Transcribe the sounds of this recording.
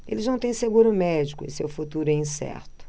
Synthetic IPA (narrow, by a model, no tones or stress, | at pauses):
ḛlɪznɐ̃w̃t̪ẽj̃seɡuɾʊmɛd͡ʒikʊɪ̰sḛwfut̪uɾʊɛĩsɛ̰ɾt̪ʊ̥